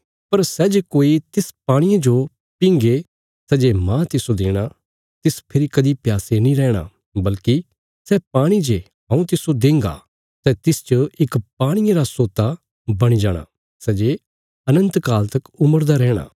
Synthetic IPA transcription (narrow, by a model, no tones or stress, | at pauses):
pɐɾsɛːd͡ʒekoːit̪ɪspaːɽ̃ɪjãd͡ʒo | pɪ̃ŋɡe | sɛd͡ʒemãːt̪ɪsod̪eːɽ̃a | t̪ɪspʰɪɾikɐd̪ipjaːsenĩɾɛːɽ̃a̰ | bɐlki | sɛpaːɽ̃id͡ʒe | ɦɐ̃ːũt̪ɪsod̪ẽːŋɡa̰ | sɛt̪ɪst͡ʃəɪkpaːɽ̃ɪjaɾasoːt̪a | bɐɽ̃id͡ʒaːɽ̃a̰ | sɛːd͡ʒe | ɐnə̃nt̪kaːlt̪ɐkʊməɾd̪aɾɛːɽ̃a̰ː